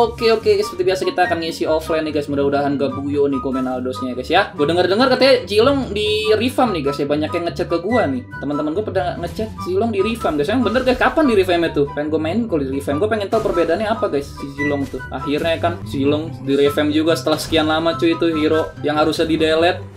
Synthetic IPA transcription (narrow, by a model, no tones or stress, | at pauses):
okeokeɡsəpərt̪ibiasakit̪aːkanŋisiɔflajnɪhɡajsmudaudaɦanɡabujonikomenaldosɲaɡajsjaɡuadəŋərdəŋərkət̪iad͡ʒilɔŋdirifamnihɡajsjabaɲakjaŋət͡ʃɛt̪̚kaɡuanɪht̪əmant̪əmanɡuapadaŋət͡ʃɛt̪̚silɔŋdiɾifamɡajsaaŋbənərɡajskapandiɾifɛmjat̪ʊhpaɛŋɡuamainkoldiɾifɛmɡuapeŋɛnt̪awpərbedaːnɲaapaɡajssid͡ʒilɔŋt̪ʊaɦirɲajakansilɔŋdiɾefɛmd͡ʒuɡasə̥t̪əlahsə̥kianlamat͡ʃuit̪uɦiɾojaŋɦaɾusadidelɛt̪̚